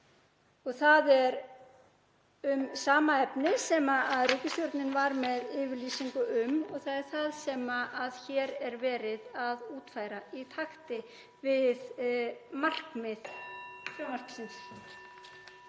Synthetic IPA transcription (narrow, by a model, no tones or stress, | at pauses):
ɔɣθaðɛɾ | ʏmsaːmaɛpnɪsɛmaaðrʏːcɪst̪jɔɾt̪nɪnvaɾmɛðɪːvɪɾliːsiŋkʏʔʏmɔɣθaðɛɾ̥θaðsɛmaʔaðçɛːɾɛɾvɛːɾɪðaðuːt̪faːjɾait̪ʰaxt̪ɪ | vɪð | mar̥kmɪðfœmar̥kn̥sɪns